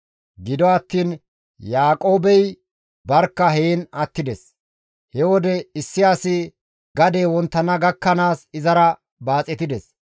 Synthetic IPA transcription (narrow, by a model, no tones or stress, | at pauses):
ɡɪd̪ɔɐt̪ːiːn | jaːkʼo̞ːbɛj | bɐɾkːɐɦeːnɐt̪ːɪd̪ɛs | hɛwɔd̪ɛɪsːɪaːsɪ | ɡɐd̪eːwɔnt̪ːɐnɐɡɐkːɐnaːsɪzɐɾɐ | baːt͡sʼːɛt̪ɪd̪ɛs